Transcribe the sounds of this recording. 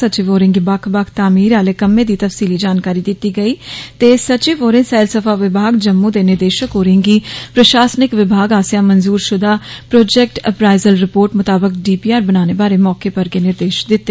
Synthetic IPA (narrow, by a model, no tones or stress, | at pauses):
ət͡ʃiːʋoːɾɪŋɡibəkʰbəkʰt̪aːmiːɾaːleːkəmːẽːd̪iːt̪əfsiːliːd͡ʒaːnkaːɾiːd̪ɪt̪ːiːɡəiːt̪eːsət͡ʃiʋoːɾɪ̃ŋɡsɛːɪlsəpʰaːʋɪbʱaːɡd͡ʒəmːũːd̪eːnɪɾd̪eːʃəkoːɾɪ̃ŋɡiːpɾəʃaːsnɪkʋɪbʱaːɡaːsjãːmənzuːɾʃʊd̪aːpɾoːd͡ʒɛːk̚ʈəpɾaːɪzəlɾɪpoːɾʈmʊt̪aːbəkɖiːpiːaːɾbənaːneːbaːɾeːmɔːkeːpəɾkenɪɾd̪eːʃd̪ɪt̪ːeː